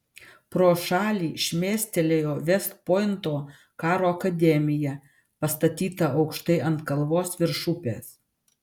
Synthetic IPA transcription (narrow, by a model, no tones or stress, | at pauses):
pɾoːʃɑːlʲiːʃʲmʲeːsʲt̪ʲɛlʲejoːʋʲɛst̪̚poːjɪnt̪oː | kɑːɾoːɐkɐd̪ʲɛmʲɪjɛ | pɐst̪ɐt̪ʲiːt̪ɐɐʊkʃt̪ɐɪʔɐnt̪kɐlˠʋoːsʋʲɪɾʃʊpʲḛːs